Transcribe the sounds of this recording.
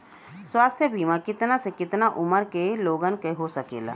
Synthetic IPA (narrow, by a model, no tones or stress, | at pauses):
swaːst̪ʰjəbʱiːmakɪt̪nasekɪt̪naʔʊməɾkeloːɡənkeɦosɐkḛːla̰ː